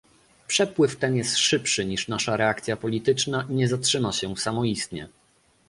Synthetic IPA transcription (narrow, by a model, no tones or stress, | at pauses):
pʂɛpwɘft̪ɛnjɛst̪ʂɘpʂɘɲiʂnaʂaɾɛak̚t̪sʲjapɔlʲit̪ɘt͡ʂnaɲɛzatʂɘmaɕɛsamɔist̪ɲɛ̰